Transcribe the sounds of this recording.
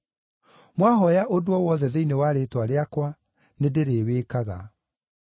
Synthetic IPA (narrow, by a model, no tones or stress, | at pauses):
mwaɦɔjaʔodoɔwɔðɛðeinewaɾeːtwaɾeakwa | nedeɾeːweːkaɣa̰